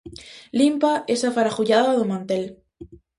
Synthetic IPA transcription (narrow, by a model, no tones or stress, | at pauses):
limpaʔesafaɾaxuʝaðaaðomãnt̪e̞l